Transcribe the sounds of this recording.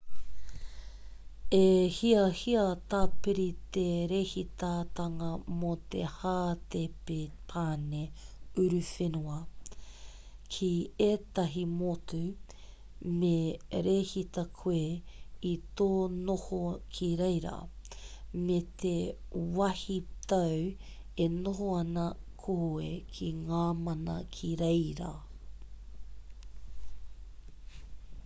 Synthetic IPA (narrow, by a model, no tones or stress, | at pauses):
ehiɐhiɐt̪aːpeɾit̪eɾehit̪at̪ɐŋɐmot̪ḛhaːt̪epepʰaːneʉɾʉfenuɐ | kʰiet̪ɐɦimotʉ | meɾeːhit̪ɐkʰweitoːnohokʰiɾejɾɐ̰ | met̪ʰe | wɐhit̪ɐw | enoɦoɐnɐ | kʰoekʰiŋaːmɐnɐkʰiɾejɾɐ̰